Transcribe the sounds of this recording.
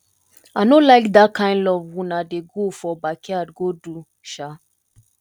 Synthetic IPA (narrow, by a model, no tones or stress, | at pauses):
anolaɪkdakʰãɪ̃ndɔvwũnadeɡofɔbakʰɛadɡodu | ʃa